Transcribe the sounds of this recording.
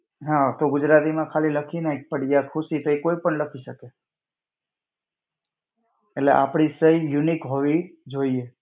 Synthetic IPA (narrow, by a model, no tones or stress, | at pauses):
ɦãt̪oɡʊd͡ʒɾat̪imãkʰaliləkʰinəipəɽijakʰuʃit̪oekoipəɳləkʰiʃəke | eʈlḛʔa̰pɽ̃isəijunikɦoʋid͡ʒoie